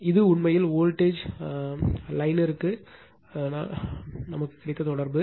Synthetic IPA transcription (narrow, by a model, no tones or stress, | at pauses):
ɪðɯʊɳmɐjɪloːlʈeːd͡ʒ | lɐɪnɪɾɯkːɯ | nɐmɐkːɯ̥kːɪɾɪt̪ːɐt̪ɔɽɐɾbɯ